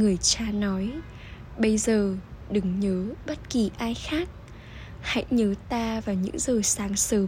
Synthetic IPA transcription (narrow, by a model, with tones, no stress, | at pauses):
ŋɨ˨˩əjt͡ɕaː˧nɔ˨˦j | ɓə˧jzəː˨˩ɗɨ˨˦ŋɲəː˨˦ɓə˦˥t̚ki˨˩ʔaː˧jxaː˦˥k̚ | ha̰˧˥jɲəː˨˦t̪aː˧vaː˨˩ɲɨ̰˧˥ŋzəː˨˩saː˨˦ŋsəː˨˦